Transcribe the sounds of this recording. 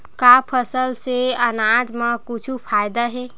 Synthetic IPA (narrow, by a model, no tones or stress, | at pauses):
kaːpʰəsəlseənaːd͡ʒmãkʊt͡ʃʰupʰaːjd̪aɦɛː